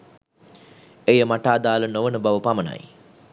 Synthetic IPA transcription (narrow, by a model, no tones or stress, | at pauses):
ejəmaʈaːd̪aːlənoʋənəbaʋəpaməna̰j